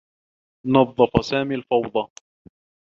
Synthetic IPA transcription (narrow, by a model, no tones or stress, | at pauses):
nɑðˤːɑfɑsaːmiːlfɑwd̪ˤɑ